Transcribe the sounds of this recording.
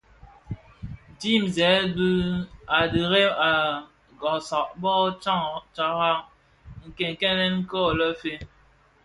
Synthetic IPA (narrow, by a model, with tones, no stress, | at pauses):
di˦˨mzɛ˨˦bʉ˦a˨di˨ɣe˦a˨ | ɡɔ˨sa˨ʔbɔ˦t͡ʃa˨˦ha˦ | ŋ̩˨ke˨ŋ˨kɛ˦lɛ˦n̩˦kɔ˦˨lə˦fe˦